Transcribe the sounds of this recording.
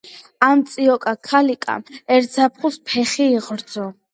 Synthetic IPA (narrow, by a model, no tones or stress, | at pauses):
amt̪sʼiɔkʼakʰalikʼa̰mɛɾt̪sapʰχuspʰɛχiːʁɾd̪zɔ